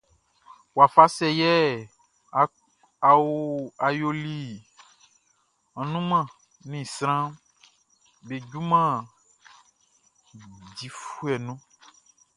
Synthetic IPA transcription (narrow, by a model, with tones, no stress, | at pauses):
wa˨fa˦sɛ˦jɛ˦˨ | a˨wu˦a˨jo˦li˦ | ã˨nũ˦mã˦˨ | nĩ˦˨sɾ̃ã˦ | be˨d͡ʒu˦mã˦˨ | d͡ʒi˨fu˦ɛ˨nũ˦